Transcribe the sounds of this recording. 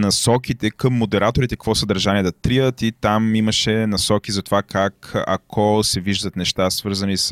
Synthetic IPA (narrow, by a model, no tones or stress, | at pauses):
nɐsɔkit̪ɛkəmːod̪ɛɾat̪oɾit̪ɛkəkvɔsəd̪ɐɾʒaniɛd̪ɐt̪ɾiət̪it̪amiməʃɛnɐsɔkizɐt̪ovakakɐ̰kʰɔsɛviʒd̪ət̪nɛʃt̪asvɤɾzɐnis